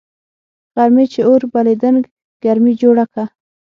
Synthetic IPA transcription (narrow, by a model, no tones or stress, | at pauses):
ɣaɾmet͡ʃeoɾbaled̪əŋɡ | ɡ̥aɾmid͡ʒoɽaka